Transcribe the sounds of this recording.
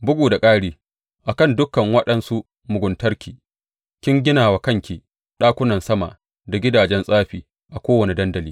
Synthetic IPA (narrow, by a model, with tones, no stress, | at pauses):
bʊ˦ɡʷuː˨da˨kʼaː˦ɽiː˦ | ʔa˨kɐ˦˨ndʊ˦kːɐ˨ŋwɐ˦ɗɐ˦nsu˦ | mʊ˨ɡʷʊ˨ntɐ˦rkʲiː˨ | kʲɪ˦ŋɡʲɪ˦naː˨waː˨kɐ˦ŋkʲi˨ | ɗaː˦kʷʊ˦nɐ˨nsɐ˦ma̰˨ | da˨ɡʲɪ˦daː˨d͡ʒɛ˦nsʼaː˦ɸiː˨ | ʔa˨kʷoː˦wɐ˨ni˨dɐ˦ndɐ˨liː˦